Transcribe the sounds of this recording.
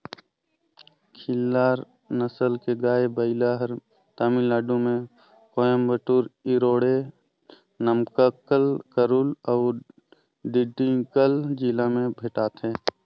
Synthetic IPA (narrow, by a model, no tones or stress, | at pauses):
kʰɪlːaːɾ | nəsəlkeɡaːebəɪlaɦəɾ | t̪aːmilaːɖũmẽ | kɔjəmbəʈuːɾɪɾoːɽe | nəmkəkəlkəɾulɔː | ɖɪɖːikəld͡ʒilamẽbʱeʈaːt̪ɦɛ̃ː